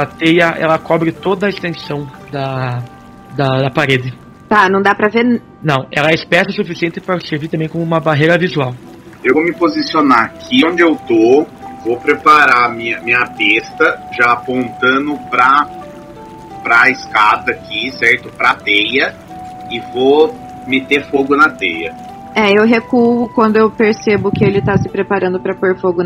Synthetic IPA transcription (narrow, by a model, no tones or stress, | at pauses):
at̪ejɐʔɛ̰lɐkɔbɾɪt̪od̪ɐɪst̪ẽsɐ̃w̃ | d̪ɐ | d̪ɐd̪ɐpaɾed̪ɪ | t̪anɐ̃w̃d̪apɾɐveɾ | nɐ̃w̃ɛ̰lɐɛɪspɛsɐsufisiẽnt̪ɪpɾɐseɾviɾt̪ɐ̃mbẽj̃kõmʊũmɐbaɦejɾɐvizuaw | ewvomɪpozisionakʰɪõnd͡ʒɪewt̪o | vopɾepaɾamĩɐmĩɲɐpest̪ɐʒaːpõnt̪ɐ̃d̪ʊpɾɐ | pɾɐɪskad̪ɐːkʰisɛɾt̪ʊpɾɐt̪ejɐ | ɪvo | met̪eɾfoɡʊnɐt̪ejɐ̰ | ɛewɦekuʊkwɐ̃nd̪ʊewpeɾsebʊkɪelɪt̪asɪ̥pɾepaɾɐ̃nd̪ʊpɾɐpoɾfoɡʊ